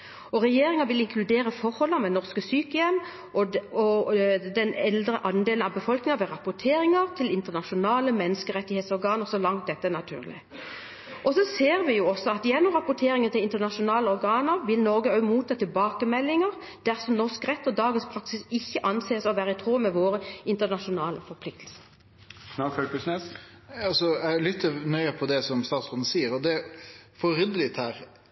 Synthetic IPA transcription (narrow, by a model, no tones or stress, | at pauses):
ɔɾɛjeːɾɪŋəʋɪlɪŋkʰlʉd̪eːɾəfɔɾhɔlːəmɛnɔʁskəsyːkəjɛm | ɔɔd̪ɛnɛld̪ɾəʔɑnd̪eːlənɑʋbəfɔlknɪŋɑɾʋɛɾɑpʊʈʰeːɾɪŋəʁt̪ʰɪlɪnt̪əʁnɑʂʊnɑːləmɛnːəskəɾɛt̪ːɪheːt̪sɔɾɡɑːnəɾsɔlɑŋt̪̚d̪ɛt̪ːənɑt̪ʰʉ̰ːʁlɪ̰ | ʔɔsɔseːɾʋɪjʊɔsːɔɑt̪jɛnːʊmʁɑpʊʈʰeːɾɪŋənt̪ʰɪlɪnt̪ənɑʂʊnɑːləɔɾɡɑːnəɾʋɪlnɔɾɡəœʉmuːt̪ʰːɑːt̪ʰɪlbɑːkəmɛlːɪŋəʁ | d̪̥æʁsɔmnɔʁskʁɛt̪ːɔd̪ɑːɡənspʰʁɑksɪsɪçːəʔɑnseːsɔʋæːɾəɪt̪ʰʁoːmɛʋoːɾəɪnt̪ənɑʃʊnɑːləfɔɾpʰlɪk̚t̪ʰl̩sə̥ | nɑœʉsnes | ɑlsɔælʏt̪ʰːənœʏəpʰɔd̪ɛsɔmst̪ɑːt̪sʁɔːn̩siːəɾɔd̪ɛfɔɾʏd̪əlɪt̪hæːɾ